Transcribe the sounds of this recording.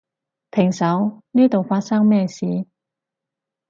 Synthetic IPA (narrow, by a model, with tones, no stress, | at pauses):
pʰɪ˨˩ŋsɐ˨˥wniː˥t̪o˨˩wfaː˧t̚sɐ˥ŋmɛː˥˧siː˨˧˩